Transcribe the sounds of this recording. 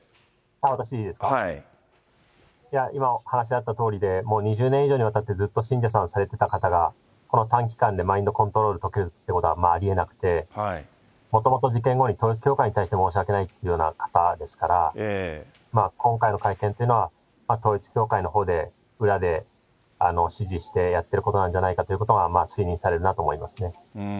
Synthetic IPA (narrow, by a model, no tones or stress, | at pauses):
aːβat̪aɕid̪eiːd̪e̞sɨ̥ka | jaimahanaɕ̬iat̪ːat̪o̞ːɾʲid̪e̞mo̞ːɲ̟iʑɨːnẽiʑo̞ːɲ̟iβat̪at̪ːe̞d͡zɨt̪ːo̞ɕĩɲ̟d͡ʑas̬ãɰ̃saɾe̞t̪e̞t̪akat̪aɡa | ko̞no̞t̪ãŋk̬ʲi̥kãnd̪e̞maĩnd̪o̞kõ̞nt̪o̞ɾo̞ːɾɯ̟t̪o̞keɾɯ̟t̪ːeɯko̞t̪oɡamaːɾʲie̞nakɯ̟̥t̪e̞ | mo̞t̪o̞mo̞t̪oʑikẽ̞ŋɡo̞ɲ̟it̪o̞ːit͡sɨ̥kʲo̞ːkaiɲ̟it̪aiɕi̥t̪e̞mo̞ːɕ̬iake̞nait̪ːeɯ̟jo̞ːna̰kḁt̪ad̪e̞sɨ̥kaɾa | maːkõ̞ŋkaino̞kaikẽ̞nt̪oiɯ̟no̞βa | maːt̪o̞ːit͡sɨ̥kʲo̞ːkaino̞ɦo̞ːd̪e̞ | ɯ̟ɾad̪e̞ | ano̞ɕiʑiɕi̥t̪e̞jat̪ːe̞ɾɯ̟ko̞t̪o̞nãɲ̟d͡ʑanaikat̪o̞iɯ̟ko̞t̪oɡamaːsɨiɲ̟ĩɰ̃saɾe̞ɾɯ̟nat̪o̞ːmo̞imasɨne̞